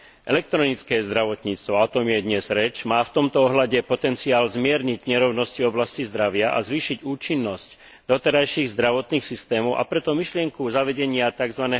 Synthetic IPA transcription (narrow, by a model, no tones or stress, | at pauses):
ʔɛ̰lɛk̚t̪ɾɔnit͡skɛːzd̪ɾaʋɔt̪ɲiːt͡st̪ʋɔaɔt̪ɔmjɛd̪ɲɛzɾɛt͡ʃmaːft̪ɔmt̪ɔɔɦlaɟɛpɔt̪ɛnt͡siaːlzmɪɛɾɲiɟɲɛɾɔʊnɔscivɔblascizd̪ɾaʋɪaʔa̰zʋiːʃiɟuːt͡ʃinːɔsc | d̪ɔt̪ɛɾajʃiɣzd̪ɾaʋɔt̪niːxsist̪ɛːmɔʊʔa̰pɾɛt̪ɔmiʃlɪɛŋkuzaʋɛɟɛɲɪat̪aɡzʋanɛː